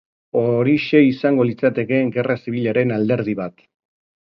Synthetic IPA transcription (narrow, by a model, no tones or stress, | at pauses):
o̞ɾiʃe̞isaŋɡo̞lit͡sat̪e̞ke̞ŋɡe̞rasiβ̞iʎaɾe̞nald̪e̞ɾð̞iβat̪